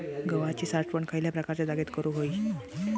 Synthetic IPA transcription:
ɡəʋat͡ɕiːsaɾʈpəɳkʰajljapɾəkaɾt͡ɕad̪aɡet̪kəɾuɦoi

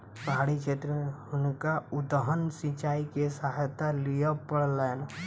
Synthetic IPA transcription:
pəɦaːɽit͡ʃʰet̪ɾəʊnkaʊd̪əɦənsĩt͡ʃaːikesaɦjt̪alijəpəɽlan

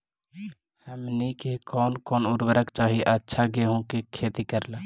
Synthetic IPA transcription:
həmnikekɔːnkɔːnʊɾwəɾəkt͡ʃaːɦiʔətːʃʰaɡeɦõkekʰeːt̪ikəɾlaː

